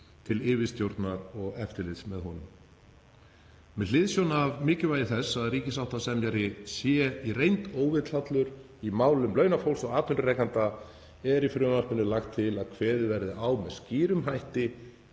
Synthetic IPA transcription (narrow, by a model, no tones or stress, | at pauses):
t̪ʰɪlɪːvɪst̪jowɾt̪naɾɔɣɛft̪ɪɾlɪðsmɛðɦɔnʏm | mɛðlɪðsjownavmɪːcɪvaːjɪθɛsːaðriːcɪsawht̪asɛmjaɾɪsjɛirejnt̪oːwvɪðt̪lat̪lʏɾ | imaːwlʏmlœːɥnafowlsɔɣaːt̪ʏnɾʏɾejkant̪a | ɛɾifɾʏːmal̥pɪnʏlaxt̪ʰːɪlaðkʰvɛːðɪvɛɾðɪʔawmɛðsciːɾʏmɦajht̪ɪ